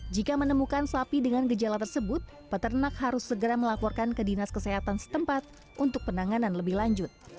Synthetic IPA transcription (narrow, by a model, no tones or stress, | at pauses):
d͡ʒikamənəmukansapidəŋankəd͡ʒalat̪ərsəbʊt̪̚ | pət̪ərnakhaɾʊsːəɡəɾaməlapɔrkankədinaskəseɦat̪ansə̥t̪əmpat̪̚ | ʔunt̪ʊk̚pənaŋananləbɪhlaɲd͡ʒʊt̪̚